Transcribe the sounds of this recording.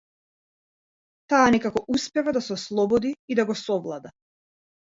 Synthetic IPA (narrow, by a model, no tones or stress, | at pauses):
t̪aːnɛkakɔʔuspɛvad̪asɛɔslˠɔbɔd̪iːd̪aɡɔsɔvlˠad̪a